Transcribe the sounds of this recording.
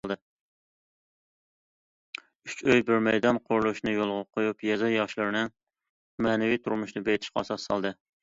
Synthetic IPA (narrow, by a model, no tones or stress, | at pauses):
lˠd̪ɨ | yt͡ʃøjbɪɾmɛjd̪ɑnqʰoɾlˠuʃnɨjolˠʁɑqʰojupjɛzɑjɑʃlˠɨɾnɨ | mæːnɪwit̪ʰuɾmuʃnɨbejt̪ʰɪ̥ʃqɑɑsɑsːɑ̰lˠd̪ɨ